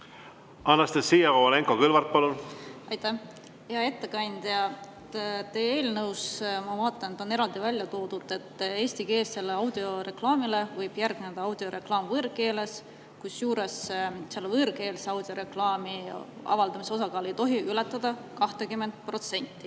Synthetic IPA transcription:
ɑnːɑst̪esiːjɑooleŋkokylvɑrt̪̚pɑlunɑjt̪æh | heɑe̞t̪ːe̞kɑnʲd̪jɑ | t̪eːe̞ːlnɤwsmɑvɑːt̪ːˑɑnt̪ːˑo̞ne̞ɾɑld̪ivælʲjɑt̪o̞ːd̪̥ud̪e̞t̪ːˑe̞ːsʲt̪ike̞ːsːe̞lːeɑwd̪̥io̞re̞klɑːmile̞vɤjb̥jærɡ̥̚ned̪̥ɑɑwd̪̥io̞ɾʔe̞klɑːmvɤrke̞ːle̞s | kusjuːɾe̞sseɑlːvɤɾke̞ːlseɑwd̪̥ioɾe̞klɑːmi | ɑ̰vɑld̪ɑmiseo̞s̬ɑkɑːlejt̪o̞ɦiylɛt̪ˑːɑd̪̥ɑkɑht̪ekymːe̞nt̪̚pro̞t̪se̞nʲt̪ːi

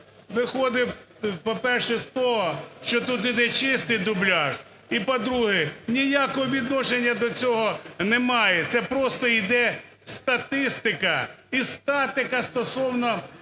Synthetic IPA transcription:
ʋɪxɔd̪ɪ | pɔpɛrʃɛst̪ɔɦɔʃt͡ʃɔt̪ut̪̬id̪ɛt͡ʃɪst̪ɪjd̪ʊblʲɑʒ | ipɔd̪ɾuɦɪnʲijakɔɦɔʋʲid̪nɔʃenʲːɐd̪ɔt͡sʲɔɦɔnɛmɑjɛt̪sɛpɾɔst̪ɔid̪ɛ | st̪ɐt̪ɪst̪ɪkɐ | ist̪ɑt̪ɪkɐst̪ɔsɔwnɔ

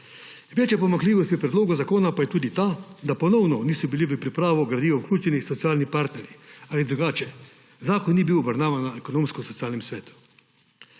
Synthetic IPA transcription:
ʋeːt͡ʃjɛpɔmaŋkliːʋɔst̪jɛpɾɛd̪loːɡɔzakoːnapajɛt̪uːd̪it̪aːd̪apɔnɔwnɔniːsɔbiliʋəpɾipɾaːʋɔɡɾad̪iːʋɔwklʲuːt͡ʃɛnisɔt̪siaːlnipaːɾt̪nɛɾjiaːlid̪ɾuɡaːt͡ʃɛ | zaːkɔnːibiwɔbaɾnaːʋanːaɛkonoːmskɔsɔt̪sijaːlnɛmsʋɛːt̪u̥

